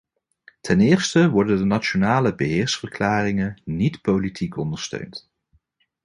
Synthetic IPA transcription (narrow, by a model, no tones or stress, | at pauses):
tʰɛnɪːɹstəʋɔɹdəndənat͡ʃonaːləbəɦɪːɹsfəɹklaːrɪŋənitpowlitʰikɔndəɹstø̰ɥnt